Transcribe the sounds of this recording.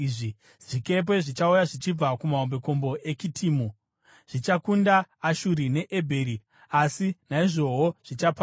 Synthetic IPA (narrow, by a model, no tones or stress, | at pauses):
ʐi | ʐ̥ike̞p̬e̞ʐit͡ʃaujaʐit͡ʃib͡vakumaombe̞ko̞mbo̞ʔe̞t͡ʃitʰiːmu | ʐ̥it͡ʃakundaːʃuɾine̞ʔebʱe̞ːɾi | asinaiʐo̞ɦoʐ̥it͡ʃapː